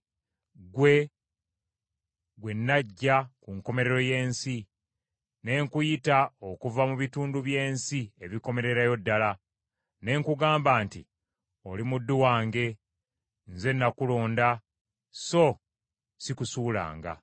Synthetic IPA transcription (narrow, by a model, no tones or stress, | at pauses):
ɡwe̞ | ɡwe̞nːaɟːakuŋko̞me̞ɾe̞ɾo̞je̞ːnsi | ne̞ŋkujitao̞kuvamuβituːnduβje̞ːnsie̞βiko̞me̞ɾe̞ɾajo̞dːala | ne̞ŋkuɡaːmbaːntḭ | o̞limudːuwaːŋɡe̞ | nze̞nːakulo̞ːnda | so̞ | sikusuːla̰ːŋɡa̰